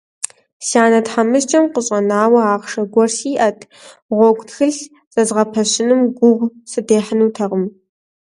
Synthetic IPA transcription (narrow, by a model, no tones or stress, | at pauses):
saːnɐtħamɨst͡ʃʼɐmqʷəɕʼɐnaːwɐaːʁʂɐɡʷɔrsiːʔɐtʰ | ʁʷɔɡʷtxɨɬ | zʼɐzʁɐpʰɐɕɪnɨmɡʷʊʁʷsɨdeːħənuːtʰɐʁəm